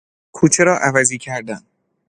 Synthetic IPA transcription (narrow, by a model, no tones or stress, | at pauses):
kʰuːt͡ʃʰeɾɒːʔævæziːcʰæɾd̪æn